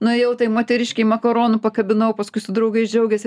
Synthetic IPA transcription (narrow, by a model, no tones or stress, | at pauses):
nʊjɛʊt̪ɐɪmoːt̪ʲɛɾʲɪʃʲkʲɛɪmɐkɐɾoːnʊpɐkɐbʲɪnɐʊpɐskʊɪsʊd̪ɾɐʊɡɐɪsd͡ʒʲɛʊɡʲɛsʲɪ